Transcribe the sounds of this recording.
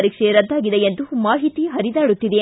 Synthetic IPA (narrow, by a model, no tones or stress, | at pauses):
ɾiːkʂeɾɐd̪ːaːɡid̪ejend̪umaːɦit̪iɦɐɾid̪aːɽut̪ːid̪e